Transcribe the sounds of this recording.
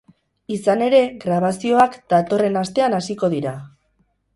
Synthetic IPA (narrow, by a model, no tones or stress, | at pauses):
isane̞ɾe̞ɣɾaβ̞asio̞akd̪̥at̪o̞re̞nast̪e̞anasiko̞ð̞iɾa